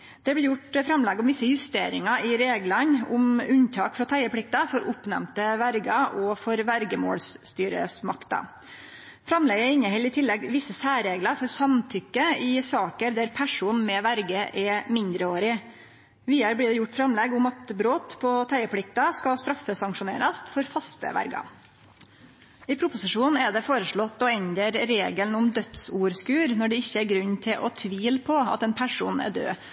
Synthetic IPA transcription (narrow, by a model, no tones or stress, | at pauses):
d̪̥ɛblɪːɾjʊʈfɾɑmlɛɡʊmʋɪsːəjʉst̪eːɾɪŋɑɪɾeːɡlɑnʊ̰mʉnt̪ʰɑːkfɾɑt̪ʰæɪəpʰɽɪk̚t̪ɑfɔɾʔʊpːnɛ̰mt̪əʋæɾɡɑʔɔfɔɾʋæɾɡəmo̰ːlsst̪yːɾə̰smɑkt̪ɑ̰ | fɾɑmlɛːɡəɛɾɪnːəhɛlːɪt̪ʰɪlːɛɡʋɪsːəsæːɾeːɡlɑɾfɔɾsɑmt̪ʰʏkːəɪsɑːkəɾd̪æɾpʰæʂuːnmɛʋæɾɡəʔɛmɪnd̪ɾəoːɾɪ | ʋiːɑɾbliːd̪ɛjʊʈːfɾɑmlɛɡʊmɑt̪bɾoːt̪pʰɔt̪ʰæɪəpʰlɪk̚t̪ɑskɑst̪ɾɑfəsɑŋʂʊnḛːɾɑst̪fɔɾfɑst̪ə̰ʋæ̰ɾɡɑ̰ | ɪpʰɾʊpʊsɪʂuːnɛd̪ɛfoːɾəʂɭɔt̪ːɔɛɲd̪əɾɾeːɡəlnʊmd̪œt̪suːɾskʉːɾnɔɖɛɪçːəæɾɡɾʉɲːt̪ʰɪlʔɔ̰t̪ʰʋiːlpʰɔɑ̰t̪ɛnpʰæʂṵːnɛ̰ɖ̪ø̰ː